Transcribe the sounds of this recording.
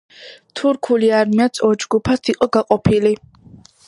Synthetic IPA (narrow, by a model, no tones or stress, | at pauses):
t̪ʰuɾkʰuliaɾmiasʰʼɔd͡ʒɡupʰast̪ʰiqʼɔɡaqʼɔpʰili